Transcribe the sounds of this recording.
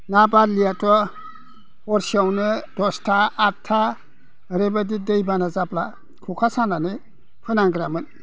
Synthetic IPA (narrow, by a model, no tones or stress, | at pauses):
nabadlijatɔ | ɔɾsiawnɯdɔstʰaːtʰa | ɾebadidejbanazapla | kʰukʰasananɯ | pʰɯnaŋɡɾamɯn